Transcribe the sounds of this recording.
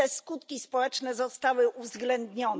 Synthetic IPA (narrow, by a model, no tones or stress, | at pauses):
ɛskut̪kʲispɔwɛt͡ʂnɛzɔst̪awɘuvzɡlɛnd̪ɲɔn